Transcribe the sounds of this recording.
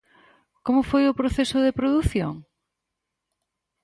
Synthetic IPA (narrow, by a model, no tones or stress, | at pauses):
komʊfojʊpɾoθesʊðepɾoðuθjo̰ŋ